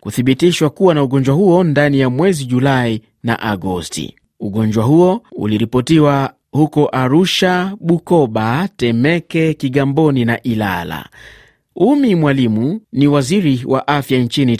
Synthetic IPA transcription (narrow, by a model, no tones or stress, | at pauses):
kuθiɓitiʃwakuwanauɠɔnd͡ʒwahuɔndanijamwɛziʄulai | na̰ʔaɡɔstḭ | uɠɔnd͡ʒwaɦuɔṵliɾipɔtiwa | hukɔʔaɾuʃaɓukɔɓatɛmɛkɛkiɠambɔninaʔila̰la̰ | umimwalimuniwaziɾiwʔa̰ʔafjant͡ʃini